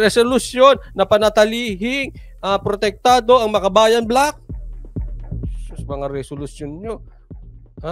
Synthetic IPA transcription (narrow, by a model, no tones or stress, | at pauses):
ɾɛsolʊsjo̞nːɐpɐnɐt̪ɐliːɦɪŋ | ʔɐpɾot̪ɛk̚t̪aːd̪o̞ɐŋmɐkɐbaːjɐnblak̚ | sɐmɐŋaɾɛsolʊsjonɲo